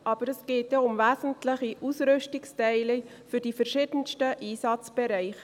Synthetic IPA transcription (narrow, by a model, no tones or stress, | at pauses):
ʔɑb̥əɾɛsɡ̥eːt̚jɛʊmvæːzən̩tlɪχiʔusɾʏstɪkstɛɪli | fʏɾdifɛɾʃɪːdənstəʔiːsɑt͡sb̥ɛɾaɪχ